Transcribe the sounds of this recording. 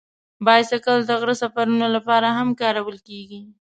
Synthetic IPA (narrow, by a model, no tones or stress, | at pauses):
bɑjad̪sakəld̪əɣɾəsafaɾunolapɑɾaɦamkɑɾawəlkeɡi